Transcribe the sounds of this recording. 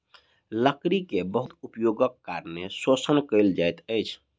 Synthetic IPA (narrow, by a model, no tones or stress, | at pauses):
ləkɾikebəɦut̪upjoɡəkːaɾnesosənkəɪld͡ʒajt̪əjt͡ʃʰ